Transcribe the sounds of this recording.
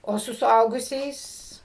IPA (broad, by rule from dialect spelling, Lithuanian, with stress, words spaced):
oː ˈsʊ sʊˈɐʊɡʊsʲɛɪs